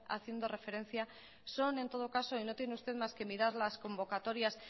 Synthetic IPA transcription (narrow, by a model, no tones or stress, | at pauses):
a̰θje̞nd̪o̞re̞fe̞ɾe̞n̟θja | so̞ne̞nt̪o̞ð̞okaso̞ino̞t̪je̞neust̪e̞ðmaske̞miɾaɾlasko̞mbo̞kat̪o̞ɾjas